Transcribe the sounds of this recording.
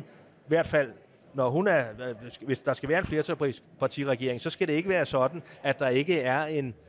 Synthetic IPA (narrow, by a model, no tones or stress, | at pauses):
ʋæɐ̰d̥fæl̰ | nɒɦunæɐʋe̝sd̥ɑ̈sɡ̥æʋæːɐe̝nfle̝ɐt͡sʰɒlpʰʁis | pʰɑ̈t͡sʰḭʁaɡ̥e̝ɐ̰eŋsɒ̽sɡ̥æɾ̥e̝e̝ɡ̥əʋæːɐsɒ̽d̥n̩æd̥d̥ɑ̈e̝ɡ̥əæɐe̝n